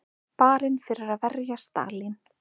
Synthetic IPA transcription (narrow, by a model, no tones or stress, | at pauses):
paːɾɪnfɪɾɪɾaðvɛɾjast̪a̰ːlɪn